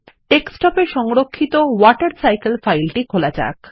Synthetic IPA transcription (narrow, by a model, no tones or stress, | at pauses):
ʈeksʈɔpeɾʃɔŋɾokʰːit̪owɔʈaɾsajkelfajlʈikʰolat͡ɕa̰k